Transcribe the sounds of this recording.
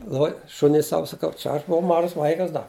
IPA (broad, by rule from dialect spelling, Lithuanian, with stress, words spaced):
ˈlˠoːj ˈʃʊnʲʊɪ ˈsɐʊ sɐˈkɐʊ ˈt͡ʃʲɛ ɐʃ bʊˈʋɐʊ ˈmɑːʒɐs ˈʋɐɪkɐs ˈdɐ